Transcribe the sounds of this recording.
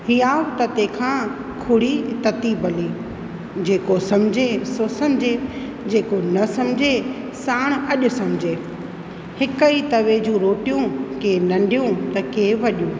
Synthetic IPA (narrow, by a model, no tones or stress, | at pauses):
hiːaːʋt̪ɐt̪ẽːkʰãː | kʰʊɽit̪ɐt̪ibɐliː | d͡ʑeːkosɐ̃md͡ʑʱesosɐmd͡ʑʱe | d͡ʑeːkonɐsɐmd͡ʑʱe | saːɽ̃ɐʄʊ̆sɐ̃md͡ʑʱe | hɪkəit̪ɐʋed͡ʑũːɾoːʈijũkeːnɐ̃ɳɖijũt̪ɐkeːʋɐɗijũː